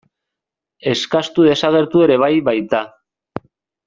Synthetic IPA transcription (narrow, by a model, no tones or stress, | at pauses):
e̞skast̪uðe̞saɣ̞e̞ɾt̪ue̞ɾe̞β̞ajβajt̪a